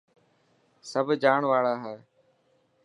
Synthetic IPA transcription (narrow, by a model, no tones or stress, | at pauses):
səbʱd͡ʒaːɳʋaːɭaːɦɛːe